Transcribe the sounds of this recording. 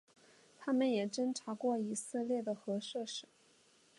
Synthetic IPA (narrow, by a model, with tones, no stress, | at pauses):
t̪ʰa˥mə˨njɛ˨˩ʈ͡ʂə˥nʈ͡ʂʰa˧˥kwɔ˥˩i˨˩sɹ̩˥˧ljɛ˥˩d̪ə˩xɤ˧˥ʂɤ˥˧ʂɻ̩˨˩˦